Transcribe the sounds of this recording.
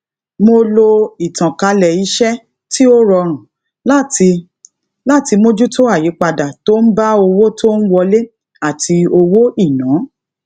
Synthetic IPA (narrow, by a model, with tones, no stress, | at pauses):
mo˧lo˧i˨tã˨ka˨˧lɛ˨i˨˧˦ʃɛ˦ | ti˦o˦ɾɔ˧ɾ̃ũ˨ | la˦ti˧ | la˦˨ti˧mo˧d͡ʒu˦to˦a˦˨ji˨˦k͡pa˧da˨to˦n̩˦ba˦o˧wo˦to˦n̩˦wɔ˧le˦ | a˦˨tʰi˧o˧wo˦i˦˨nãː˨˦